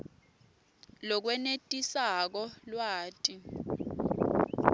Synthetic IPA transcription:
lɔk̬wɛnetʼisak̬ɔlwaːtʼi

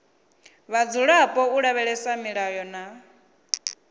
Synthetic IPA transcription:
βad͡zuɺapʼɔuɺaβɛɺɛsamiɺajɔna

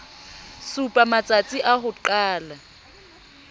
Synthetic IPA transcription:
supʼamat͡sʼat͡sʼiʔahʊǃaːla

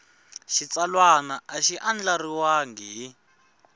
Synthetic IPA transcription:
ʃit͡salwanaʔːʃiʔand͡ɮariwaŋɡi

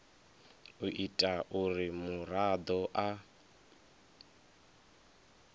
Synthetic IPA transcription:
uʔitʼaʔuɾimuɾad̪ɔʔa

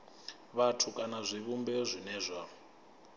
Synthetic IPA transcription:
βatʰukʼanazʷiβumbɛzʷinɛːzʷa

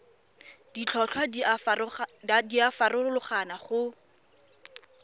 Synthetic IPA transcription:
d̥it͡ɬʰɔɬʰwa | diafarʊʊlʊχanaχʊ

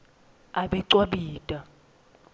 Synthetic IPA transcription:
aɓɛǀwaɓiːtʼa

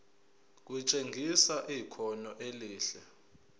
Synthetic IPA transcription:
k̬ut͡ʃʼeŋɡʱisaʔikʰɔnɔʔeliːɬɛ

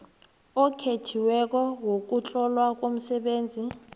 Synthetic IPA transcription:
ɔkʰetʰiwɛk̬ʼɔwok̬ut͡ɬʼɔlwak̬ʼom̩sɛɓeːnd͡zʱi

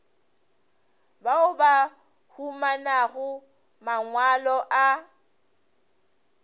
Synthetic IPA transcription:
baʊba | humanaɣʊ | maŋwalɔʔa

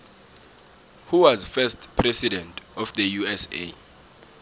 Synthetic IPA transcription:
huwazfɛstpʰrɛsidɛ̃ntʰʼɔfd̪əjuɛsḛ

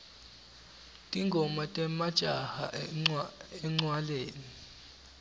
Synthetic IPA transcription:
tʼiŋɡʱɔmatʼɛmad̥ʒ̥ʼʱaha̰ | ɛŋ͡ǀwaleːni

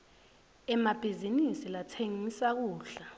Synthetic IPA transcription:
ɛmab̥ʱizinisilatʰeŋisak̬uːɬa

